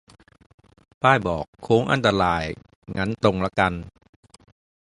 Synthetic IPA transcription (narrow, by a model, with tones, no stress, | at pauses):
paː˥˩jbɔː˨˩kʰːoː˨˦˥ŋʔa̰˧nt̪a˧ɾaː˧j | ŋʔa˦˥nt̪o˧ŋla˦˥ka˧n